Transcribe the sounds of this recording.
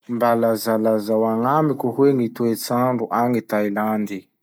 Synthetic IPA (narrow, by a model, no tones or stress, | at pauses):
mbalazalazawaŋamikʲuɦweŋit̪uet͡saɳɖ͡ʐuʔaŋit̪ajland̪i